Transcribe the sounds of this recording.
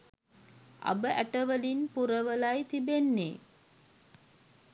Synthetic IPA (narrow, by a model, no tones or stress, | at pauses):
ʔɐ̰bəʔæʈəʋəlinpuɾəʋəlɐjt̪ibenːḛ